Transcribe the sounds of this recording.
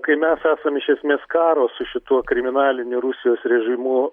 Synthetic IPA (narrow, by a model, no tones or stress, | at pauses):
kɐɪmʲæsæːsɐmɪʃʲɛsʲmʲeːskɑːɾoːsʊʃʲɪt̪uɔkɾʲɪmʲɪnɑːlʲɪnʲʊɾʊsʲɪjoːsɾʲɛʒʲɪmʊ